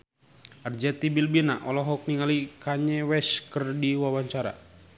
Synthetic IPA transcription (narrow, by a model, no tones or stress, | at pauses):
ərd͡ʒɛt̪ibilbinaʔɔlɔɦɔk̚niŋalikaɲɛwɛskərdiwawaɲt͡ʃaɾa̰